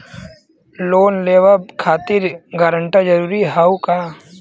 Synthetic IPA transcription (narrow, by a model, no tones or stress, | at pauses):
loːnleːʋəb̚kʰaːt̪ɪɾɡaːɾə̃ɳʈad͡ʒɐɾuːɾiɦaukaː